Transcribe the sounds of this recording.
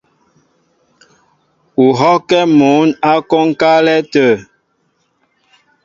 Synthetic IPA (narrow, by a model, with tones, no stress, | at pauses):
u˨ɦɔ˦kɛ˦mu˨˦na˦kɔ˦ŋ˦ka˦lɛ˦tə˨